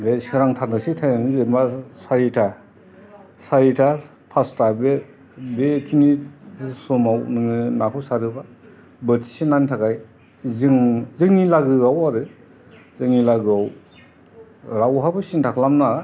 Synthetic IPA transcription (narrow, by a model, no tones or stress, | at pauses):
desiɾaŋtʰanasitʰajɯnɯzembasaɾitʰa | saɾitʰa | pʰastabe | bekʰinisomawnɯŋɯnakʰɔsaɾɯba | bətʰi̥sinantʰakaj | zɯŋzɯŋnilaɡɯawaɾɯ | zɯŋnilaɡɯaw | ɾawɦabɯsintʰakʰlamna